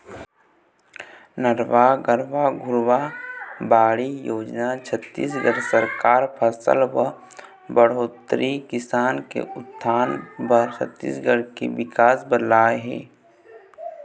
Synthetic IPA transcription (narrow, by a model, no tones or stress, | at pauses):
nəɾʋaɡəɾʋaɡʱʊɾwabaːɽijoːd͡ʒnat͡ʃʰət̪ːḭːs̬ɡəɾsəɾkaːɾpʰəsə̰lbə | bəɽ̤oːt̪ɾikɪsaːnkḛʊt̪ʰːaːnbəɾt͡ʃʰə̰t̪ːḭːsɡəɽkḛʋɪkaːsbədlaːɦɛ̰ː